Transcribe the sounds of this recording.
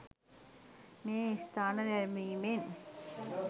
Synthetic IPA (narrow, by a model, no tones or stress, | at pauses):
meːist̪ʰaːnɐɾæɾmiːmen